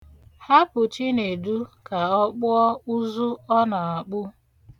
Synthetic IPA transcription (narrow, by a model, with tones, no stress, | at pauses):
ha˦pʊ˨t͡ʃi˦ne˨du˦ka˨ɔ˦k͡pʊ˦ɔ˦u˦zu˦ɔ˦na˨a˨k͡pʊ˦